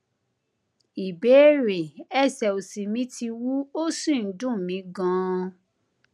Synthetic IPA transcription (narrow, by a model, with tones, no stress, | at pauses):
i˨be˨˦ɾe˨ɛ˦˨sɛ˨o˨si˨mĩ˨˦tʰi˧wu˦o˦si˦˨n̩˦dũ˦˨mĩ˨˦ɡã˦